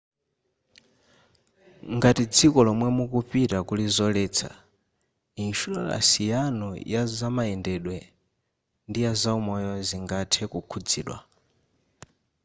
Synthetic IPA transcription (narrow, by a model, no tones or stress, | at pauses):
ŋɡatid͡zikɔlɔmwɛmukupitakulizɔlɛːt͡sʰa̰ | inʃulɔla̰sijanɔjazamaɛndɛɗwɛ | ndijazaumɔjɔziŋɡatʰɛkukʰud͡zḭːɗwa̰